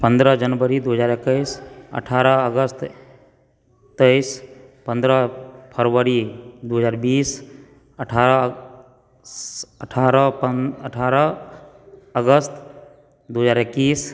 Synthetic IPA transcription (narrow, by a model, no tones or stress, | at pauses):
pə̃nd̪ɾəd͡ʒənbəɾid̪uɦəd͡ʒaːɾekəɪsə̰ʈʰaːɾəəɡəst̪ | t̪əɪs | pə̃nd̪ɾəpʰəɾʋəɾid̪uɦəd͡ʒaːɾbiːs | əʈʰaɾə | əʈʰaːɾəəʈʰaːɾə | əɡəst̪ | d̪uɦəd͡ʒaːɾekːiːs